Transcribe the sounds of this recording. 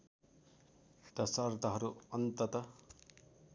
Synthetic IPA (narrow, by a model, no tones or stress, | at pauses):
t̪ʌsʌrt̪ʌɦʌɾuʌnt̪ʌt̪ʌ